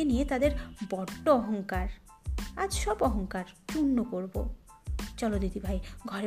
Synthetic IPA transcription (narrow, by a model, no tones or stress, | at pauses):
enijet̪ad̪eɾbɔɖːoɔɦɔŋkaɾ | ad͡ʑʃɔbɔɦɔŋkaɾt̪uɳːokoɾbo̰ | t͡ɕɔlot̪d̪id̪ibʱajɡʱɔɾe